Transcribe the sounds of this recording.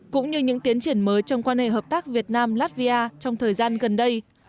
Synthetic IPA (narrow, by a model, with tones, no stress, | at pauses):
kʊ̰˧˥ŋ͡mɲɨ˧ɲɨ̰˧˥ŋt̪i˨˦ənt͡ɕi˧˩ənməː˨˦jt͡ɕɔ˧wŋ͡mkwaː˧nhḛ˧˨ɦəː˨˩p̚t̪aː˦˥k̚vi˨˩ət̚naː˧mlaː˦˥t̚vi˧ʔaː˧t͡ɕɔ˧wŋ͡mt̪ʰəː˨˩jzaː˧nɣə˨˩nɗə˧j